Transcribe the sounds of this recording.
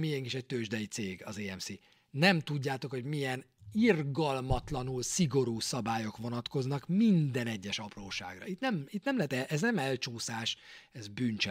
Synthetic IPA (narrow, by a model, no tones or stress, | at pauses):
miɛŋkiʃɛc̚t̪øːʒd̪ɛjit̪seːɡɒ̰zeːɛmsi | nɛmt̪uɟːaːt̪o̞kho̞ɟmijɛn | irɡɒlmɒt̪lɒnulsiɡo̞ɾuːsɒbaːjo̞kʋonɒt̪ko̞znɒkmind̪ɛnɛɟːɛʃɒproːʃa̰ːɡrɒ̰it̪nɛmit̪nɛmlɛɦɛt̪ɛʔɛznɛmɛlt͡ʃuːsaːʃɛzbyːnt͡ʃɛ